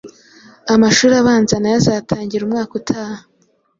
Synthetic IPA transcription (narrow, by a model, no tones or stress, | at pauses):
amaʃuːɾaβaːnzanajazaːtʰaːɲɟiɾumŋaːkutʰaːha